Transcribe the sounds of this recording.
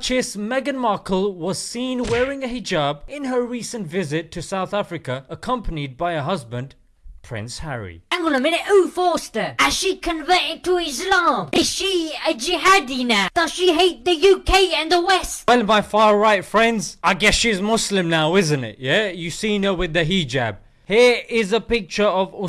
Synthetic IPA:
t͡ʃɪsmɛɡɨ̃nmɑɹkl̩ˠwʌz̥sĩnwɛɹɪ̃ŋɨhɪd͡ʒɑbɪ̃nə˞ɹisɨ̃ntvɪzɪtʰɨsaʊθæfɹɨkəəkʰʌ̃mpənid̚baɪəɦʌzbɨ̃n | pʰɹ̥ɪ̰̃nshæɹḭæ̃ŋɡəlnəmɪɾɪʔufɔstə˞ɨz̥ʃikʰɨ̃ɱvɜɾɪd̚tʰəɪzlɑ̃mɪz̥ʃiəd͡ʒɪɦadinad̥ʌz̥ʃiɦeɪt̪̚ðɨjʉkʰeɪɨ̃nðəwɛstwɛlˠmaɪfɑːɹaɪtfɹɛ̃ndz̥aɪɡɛsʃiɨzmʊslɨ̃mnaʊɪzɨ̃ntɪ̰ʔjæjɨsĩnə˞wɨðɨɦid͡ʒæ̰b̥̚ | hiɹɪzəpɪk̚t͡ʃə˞ʌvɔ

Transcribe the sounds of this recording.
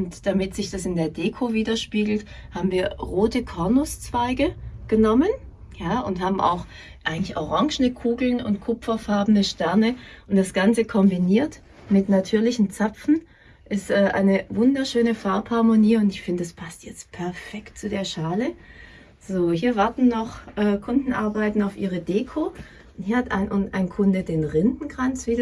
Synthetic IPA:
ʊntd̥amɪtz̥ɪçd̥asɪndeːɐdeːkʰoviːdɐʃpiːɡl̩thaːbm̩viːɐʁoːtəkʰɔɐnʊst͡sv̥aɪɡəɡ̥ənɔmənjaːʔʊntɦaːbm̩ʔa̰ʊx | ʔaɪɡŋ̩tɪçʔɔʁaŋʒn̩əkʰuːɡl̩nʊ̰ntkʰʊpfɐfaɐbn̩əʃtɛɐnəʔʊntd̥asɡ̥ant͡səkʰɔmbiniːɐt | mɪtnatʰyːɐlɪçn̩t͡sap͡fn̩ | ʔɪstʔɛːʔa̰ɪnəvʊndɐʃøːnəfaɐphaɐmoniːʊntɪçfɪndədaspʰastjɛt͡stpʰɛɐfɛkt̚t͡sudeːɐʃaːlə | z̥oːhiːɐvaɐtn̩ːɔχʔɛːkʰʊndn̩ʔaɐbaɪtn̩aʊfʔiːʁ̞ədeːkʰoː | nhiːɐhatʔa̰ɪnʔʊʔa̰ɪnkʰʊndədeːnʁɪndn̩kʁ̥ant͡sv̥iː

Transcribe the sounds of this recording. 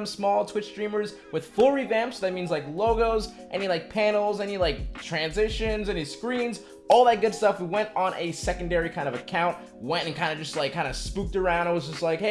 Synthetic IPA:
msmɔlˠtʰw̥ɪt͡ʃsdɹĩmə˞z | wɨð̥fʊlˠɹivæ̃mpsðɨt̚mĩnzlaɪkloʊɡoʊz | ʔɛnilaɪk̚pʰæ̃nl̩ˠzɛnilaɪk̚tʰɹ̥æ̃nzɪʃɨ̃nzɛniskɹĩnz | ɔlˠðət̚ɡ̥ʊdstʌfwiwɛ̃ntn̩ɨsɛkɨ̃n̩dɛɹikʰãɪ̃ndʌvɨkʰãʊ̃nʔ | wɛ̃ntɨ̃nkʰãɪ̃ndɨd͡ʒʌstˡlaɪkʰːãɪ̃ndɨspuk̚tə˞ãʊ̃ndɪt̚wʌzd͡ʒʌstˡlaɪkhe

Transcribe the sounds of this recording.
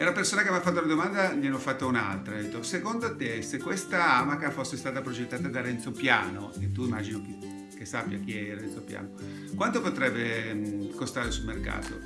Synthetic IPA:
ɛunapersoːnakemafːat̪ːounad̪omand̪amianːofat̪ːouna̰lt̪ɾad̪et̪ːosekond̪oat̪esekːwest̪aamakafosːest̪aːt̪apɾod͡ʒet̪ːaːt̪ad̪aɾɛnt̪sopja̰ːnoet̪ːuimad͡ʒinoki | kesapːja̰k̟iɛaɾɛnt̪sopja̰ːno | kwant̪opot̪ɾɛbːekost̪aːɾesulmerka̰ːt̪o̰

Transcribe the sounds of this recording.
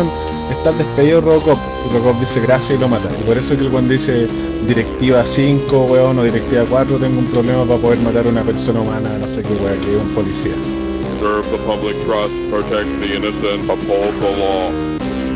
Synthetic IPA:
n | eht̪aðehpe̞ðiðorokop̚ | rokop̚d̪iseɣɾasjailo̞mat̪a̰ipoɾesoekelkwand̪od̪ise | d̪iɾek̚t̪iβasiŋkoweonoðiɾek̚t̪iβakwat̪ɾot̪eŋɡoumpɾoβlemapapo̞ðeɾmat̪aɾunapeɾsonaumananosekeweakeumpolisia̰ | zɜ˞vðəpʰʌblɪk̚tʰɹ̥ʌspʰɹ̥ɨtʰɛk̚t̪̚ðiɪ̃nɨsɨ̃nəpholˠd̪̚ðəlɔ

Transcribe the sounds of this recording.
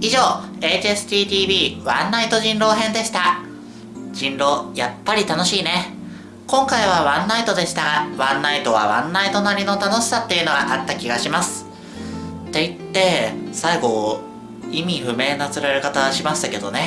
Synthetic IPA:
iʑo̞ːe̞ːt͡ɕesɨ̥t̪ʲiːt̪ʲiːbʲiːβãnːait̪o̞ʑĩnɾo̞ːɦẽ̞nd̪e̞ɕi̥t̪a | d͡ʑĩnɾo̞ːjapːaɾʲit̪ano̞ɕiːne̞ | kõ̞ŋkaiβ̞aβãnːait̪o̞d̪e̞ɕi̥t̪aɡaβãnːait̪o̞β̞a̰βã̰nːait̪o̞naɾʲino̞t̪ano̞ɕi̥sat̪ːe̞jɯ̟no̞ɡaʔat̪ːakʲiɡaɕimasɨ̥ | t̪ːe̞it̪ːe̞saiɡo̞ | imʲiɸɯ̟me̞ːnat͡sɨɾaɾekat̪aβaɕimaɕi̥t̪ake̞d̪o̞̰ne̞

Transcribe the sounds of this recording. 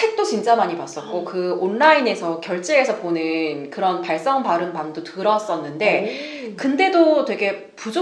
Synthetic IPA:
ek̚t͈ot͡ɕind͡ʑ͈amaɲipas͈ʌt̚k͈okɯonːaine̞sʰʌkjʌɭt͡ɕ͈eːsʰʌponɯnkɯɾʌnpaɭs͈ʌŋpaɾɯnpamdotɯɾʌs͈ʌnːɯnde̞kɯnde̞dotwe̞ɡe̞ | pud͡ʑo

